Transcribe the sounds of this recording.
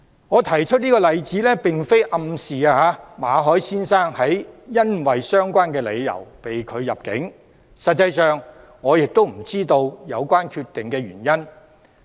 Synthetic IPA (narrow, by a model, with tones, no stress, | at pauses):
ŋɔː˨˧t̪ʰɐ˨˩jt͡ʃʰɵ˥t̚niː˥kɔː˧lɐ˨jt͡siː˨˥lɛː˥pɪ˨ŋfe˥jʔɐ˧msiː˨aː˧a˨˧maː˨˧ɦɔː˨˥jsiː˥nsaː˥ŋhɐ˨˥jːɐ˥nwɐ˨jsœː˥ŋkʷaː˥nkɛː˧lḛ˨˧jːɐ̰˨˩wpe˨jkʰɵ˨˧ɥjɐ˨p̚kɪ̰˨˥ŋ | sɐ˨t̚t͡sːɐ˧jsœː˨ŋ | ŋɔː˨˧jɪ˨k̚t̪o˥wm̩˨˩t͡siː˥t̪o˧wjɐ˨˧wkʷaː˥nkʰyː˧t̪ːɪ˨ŋkɛː˧ɥyː˨˩njɐ˥n